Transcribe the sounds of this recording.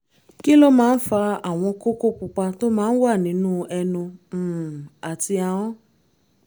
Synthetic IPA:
ki˦lo˦mãː˨˦n̩˦fa˧a˨w̃ɔ̃˧ko˦ko˦k͡pu˧k͡pa˧to˦mãː˦n̩˦wa˦˨nĩ˨˦nũː˦ɛ˧nũ˧˨ | a˨ti˧a˨w̃ɔ̃˦

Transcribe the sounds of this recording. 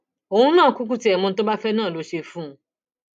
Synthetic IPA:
o˧˨ũ˦nãː˦˨ku˦k̬u˦ti˦ɛ˨mõ˧n̩˦t̬o˦ba˦fɛ˦nãː˦˨lo˨˦ʃe˧fũ˦

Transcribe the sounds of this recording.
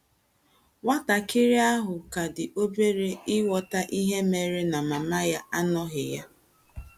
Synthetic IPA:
wa˦ta˨kɪ˦ɾi˦a˦ɦʊ˨ka˨dɪ˨ʔo˦be˦ɾe˦ɪ˦wɔ˨ta˦ʔi˦ɦe˦me˨ɾe˦na˨ma˨ma˦ja˦a˦nɔ˦ɦɪ˨ja˦

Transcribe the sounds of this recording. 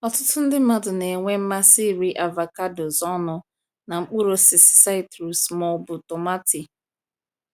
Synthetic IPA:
ɔ˨tʊ˦tʊ˦n̩˦dɪ˦ma˦dʊ˨ne˨ŋʷe˦m̩˦ma˦si˦˨ɾi˦ʔa˨va˨ka˦do˨zɔ˦nʊ˨ | na˨ŋ͡m̩˦k͡pu˦ɾo˨sɪ˨sɪ̥˨˦sa˦ɪ˦tɾu˨smɔ˦bʊ˨to˨ma˦ti˨

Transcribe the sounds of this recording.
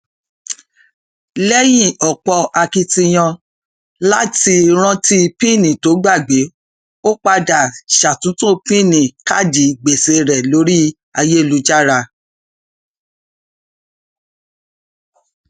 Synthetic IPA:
lɛ˦jĩ˦˨ɔ˨k͡pɔ˧a˧ki˧ti˧j̃ɔ̃˧ | la˦ti˧ɾ̃ã˦ti˦˧pĩ˦˨nĩ˨to˨˦ɡ͡ba˦˨ɡ͡be˨˦ | o˦k͡pa˧da˨ʃa˨tũ˨˦tũ˦˧pĩ˦˨nĩ˨ka˦˨d͡ʒi˨ɡ͡be˨se˧ɾɛ˨lo˨˦ɾi˦ | a˧je˦˨lu˧˦d͡ʒa˦ɾa˧

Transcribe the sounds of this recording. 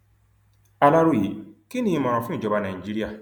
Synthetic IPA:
a˦la˦ɾo˦je˨ki˦nĩ˦ma˨ɾɔ̃˨fĩ˦˨d͡ʒɔ˨ba˨na˨i˨d͡ʒe˦ɾi˦ja˦˨

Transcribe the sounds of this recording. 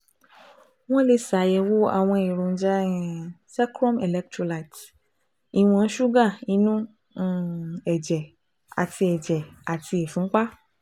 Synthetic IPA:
w̃ɔ̃˦le˧sa˨˦jɛ˧wo˦a̰˨w̃ɔ̃˧i˨ɾõ˨n̩˦d͡ʒã˦˧sɛ˦kɾɔ̃˦me˨lɛ˧k̚tɾo˧la˨t | i˧w̃ɔ̃˧˦ʃu˦ɡã˦˨i˧˦nũ˦˨ | ɛ˨d͡ʒɛ˨ | a˨ti˧ɛ˨d͡ʒɛ˨a˨ti˧e˨fũ˨˦k͡pa˦

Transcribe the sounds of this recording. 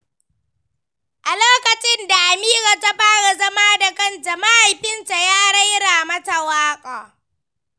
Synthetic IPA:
ʔa˨loː˦kɐ˨t͡ʃɪ˦nda˨ʔa˨miː˦ɾa˨ta˦ɸaː˦ɽa˨zɐ˦maː˦da˨kɐ˦nta˨ma˦ʔa˨jɸɪ˦nta˨jaː˦ɽɐ˦jɽaː˨mɐ˦ta˨waː˦kʼaː˨

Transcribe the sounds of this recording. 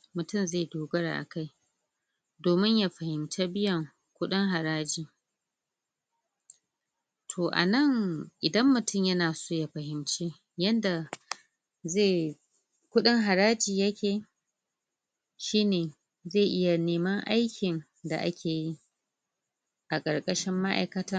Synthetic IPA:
mʊ˨tʊ˦˨mzeː˦˨doː˨ɡɐ˦ɽa̰˨ʔa̰˨ka˦j | doː˨mɪ˦ɲja˦˨ɸɐ˨hɪ˨mt͡ʃa˦bɪ˦jɐ˨ŋ | kʷʊ˦ɗɪ˦ŋɦa˨ɾaː˦d͡ʒiː˨ | tʰoː˨ʔa̰˨nɐ˦˨ŋʔɪ˨dɐ˦mːʊ˨tʊ˦˨mjɐ˦naː˨soː˦ja˨ɸɐ˨hɪ˨mt͡ʃeː˦ | jɐ˦nda˨ | zeː˦˨ | kʷʊ˦ɗɪ˦ŋɦa˨ɾaː˦d͡ʒiː˨jɐ˦kʲeː˨ | ʃiː˦neː˨ | zeː˦˨ʔɪ˦ja˨neː˨mɐ˦ŋʔa˦jkʲʰɪ˨n | da̰˨ʔa̰˦kʲʰeː˨ji˦ | ʔa˨kʼɐ˨rkʼɐ˦ʃɪ˦mːa˦ʔa̰˨jkɐ˦taː˦

